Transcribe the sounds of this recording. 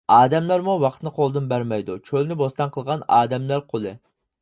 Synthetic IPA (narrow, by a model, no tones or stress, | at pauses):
ɑːd̪ɛmlæɾmuwɑqʰt̪nɨqʰolˠd̪ɨnbæɾmɛjd̪ut͡ʃʰølnɪbost̪ɑnqʰəlˠʁɑnɑːd̪ɛmlæɾqʰolˠɨ